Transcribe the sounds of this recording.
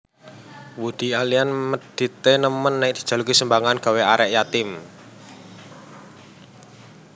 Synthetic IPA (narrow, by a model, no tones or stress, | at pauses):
wud̪̥i̤alianməd̪̥i̤t̪enəmənːɛk̚d̪̥i̤̥d͡ʒ̥a̤lukisəmbaŋanɡ̥a̤weaɾɛʔjat̪ɪm